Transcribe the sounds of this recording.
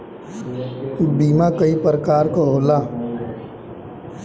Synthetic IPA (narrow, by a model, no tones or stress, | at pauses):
t̪ubiːmãkəipəɾəkaːɾkɔɦoːlaː